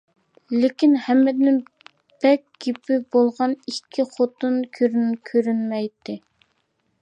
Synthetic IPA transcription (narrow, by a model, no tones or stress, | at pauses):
lɪkʲinhɛmːɪd̪nɪ | b̥ɛk̚ʲɡ̥ʲipɪbolˠʁɑnikʲʰːiχot̪unkʲʰøɾnkʲʰøɾynmɛjt̪ʰːɪ